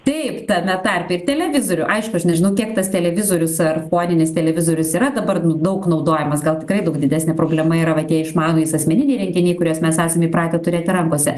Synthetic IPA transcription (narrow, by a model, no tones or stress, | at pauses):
t̪ɛɪpt̪ɐmʲɛt̪ɐrʲpʲɛɪrt̪ʲɛlʲɛʋʲɪzoːɾʲʊʔɐɪʃkʊɐʃnʲɛʒʲɪnɐʊkʲiɛkt̪ɐst̪ʲɛlʲɛʋʲɪzoːɾʲʊsɐrfoːnʲɪnʲɪst̪ʲɛlʲɛʋʲɪzoːɾʲʊsiːɾɐd̪ɐbɐrnʊd̪ɐʊknɐʊd̪oːjɛmɐsɡɐlˠtʲɪ̥kɾɐɪd̪ɐʊkd̪ʲɪd̪ʲæːsʲnʲɛpɾoːbʲlʲɛmɐiɾɐʋɐt̪ʲiɛɪʃmɑːnoːjɪsɐsʲmʲɛnʲɪnʲɛɪɾʲɪŋʲkʲɪnʲɛɪkʊɾʲuɔsmʲɛsæːsʲemʲipɾɑːt̪ʲɛt̪ʊɾʲeːt̪ʲɪɾɐŋkoːsʲɛ